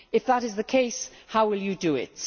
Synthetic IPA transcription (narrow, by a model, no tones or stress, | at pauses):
ɨfðəɾɨzðɨkʰeɪshaʊwɪlˠjɨdɨɪ̰t